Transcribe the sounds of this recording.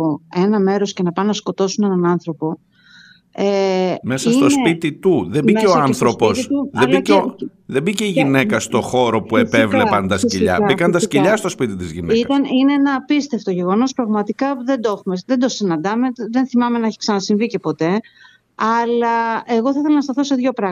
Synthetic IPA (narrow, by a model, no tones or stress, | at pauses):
oe̞nɐme̞ɾo̞sce̞nɐpɐnɐsko̞t̪o̞sune̞nɐnɐnθɾo̞po̞ | emesɐist̪o̞spit̪it̪uðebiceoɐnθθɾo̞po̞sðelbɐo | ðe̞biceiʝine̞kɐst̪o̞xo̞ɾo̞pue̞pevlepɐnd̪ɐsciʎɐ̰bbikɐnd̪ɐsciʎɐst̪o̞spit̪it̪izʝineiɐt̪ɐnineenɐːpist̪e̞ft̪oʝe̞ɣo̞no̞spɾɐɣmɐt̪ikɐðe̞nd̪o̞xume̞ðe̞nd̪o̞sinɐnd̪ɐme̞ðenθimɐme̞nɐeçi̥ksɐnɐsiɱvice̞po̞t̪e̞ | ɐlɐeɣo̞θɐiθe̞lɐnɐst̪ɐθo̞se̞ðʝo̞pɾɐ